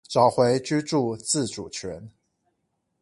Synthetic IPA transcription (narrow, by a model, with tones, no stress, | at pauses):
ʈ͡ʂɑ˨˩ʊxwe˧˥ɪt͡ɕy˥ʈ͡ʂu˥˧t͡sɹ̩˥˩ʈ͡ʂu˨˩t͡ɕʰɥɛ˧˥n